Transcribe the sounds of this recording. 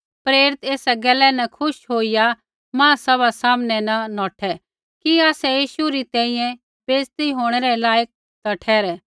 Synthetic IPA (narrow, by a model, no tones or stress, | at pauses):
pɾeːɾɪt̪eːsɛɡɛlːɛnɐkʰʊʃɦoːɪja | mãːsɐβasaːmnɛnɐnɔːʈʰɛ | kiaːsɛjiːʃuɾit̪ɛ̃ːĩjɛ̃ | peːst̪iɦoːɽ̃ɛɾɛlaːjək̚ | t̪ɐʈʰɛːɾɛ